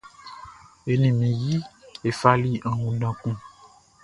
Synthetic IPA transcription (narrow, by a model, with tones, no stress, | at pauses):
e˨nĩ˨mĩ˨ji˦e˨fa˦li˦ã˨nũ˨ɖã˨kũ˦